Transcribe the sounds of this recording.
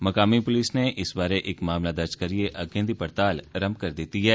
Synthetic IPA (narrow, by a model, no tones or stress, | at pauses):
mɐkaːmipʊliːsneʔɪsbaːɾeʔeːkmaːmlad̪ɐɾd͡ʒkɐɾieʔɐɡjẽnd̪ipɐɽt̪aːlɾɐ̃mb̚kɐɾd̪eːt̪iɦɛː